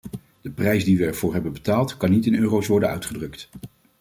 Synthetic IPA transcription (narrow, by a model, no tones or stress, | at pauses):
d̥əprɛjsdiʋəɛɹvʊːɹɦɛbənbətaːlˠtkɑnːitɪnøːrowsʋɔɹdənœ̰ɥtχədrɵkt